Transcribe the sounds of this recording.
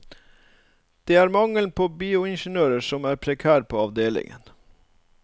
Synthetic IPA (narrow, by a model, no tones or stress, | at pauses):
d̪̥eːæːɾmɑŋəlnpʰoːbiːʊɪnʃənøːɾəsɔmæːɾpʰɾɛkʰæːɾpʰoːɑʋd̪eːlɪ̰ŋə̰n